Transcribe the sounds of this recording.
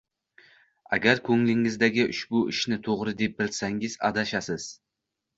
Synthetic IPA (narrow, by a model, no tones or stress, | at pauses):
a̰ɡʲaɾkʰɵŋlɪŋɪzd̪aɡʲɪʔʊʃbʊɪʃnɪt̪ʰoʁɾɪd̪e̞p̚bɪlsaŋɪz̥a̰d̪aʃasɪz̥